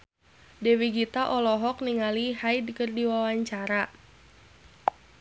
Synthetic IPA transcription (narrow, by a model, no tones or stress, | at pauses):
dɛwiɡit̪aʔɔlɔɦɔk̚niŋalihajdkərdiwawaɲt͡ʃaɾa